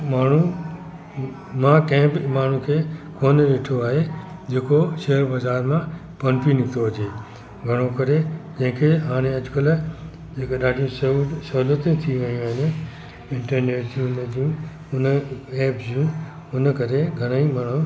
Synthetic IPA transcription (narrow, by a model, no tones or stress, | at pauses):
maːɳ̤ũ | mãkɐ̃ɦɪ̃bmaːɳ̤ũkʰeːkoːnɗeːʈʰoaːɦed͡ʑeːkoʃeːəɾbɐzaːɾmã | pɐnpinɪt̪oɐd͡ʑeː | ɡʱɐɽ̃okɐɾed͡ʑɐ̃ɦɪ̃kʰeɦaːɽ̃ẽɐd͡ʑʊkəl | d͡ʑeːkaɗaːɖʱijũsɐusɐɦulət̪ũt̪ʰiʋɐijũaːɦɪnɪ̆ | ɪ̃ɳʈəɾneːʈd͡ʑʰiũnd͡ʑijũ | ʊneːpzd͡ʑijũ | ʊnə̆kɐɾeɡʱɐɽ̃aimaːɳ̤ũ